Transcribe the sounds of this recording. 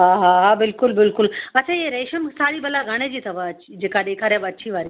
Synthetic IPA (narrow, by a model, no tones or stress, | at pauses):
ɦaɦaɦabɪlkʊlbɪlkʊlɐtːt͡ʃʰajeɾeːʃəmsaːɾibɐlaɡʱaɽ̃ed͡ʑiːt̪ʰɐbaid͡ʑeːkad̪eːkʰaːɾɦɛbɐtːʃʰiʋaːɾi